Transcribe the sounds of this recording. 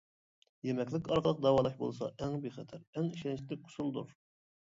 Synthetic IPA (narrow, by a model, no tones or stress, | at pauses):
jemɛkʲlɪkʲɑɾqəlˠəq̚d̪ɑwɑːlˠɑʃbo̰lˠsɑ̰ʔɛŋbeχɛt̪ʰæɾɛŋiʃɛnt͡ʃʰlɪk̚qʰʊ̥sulˠd̪uɾ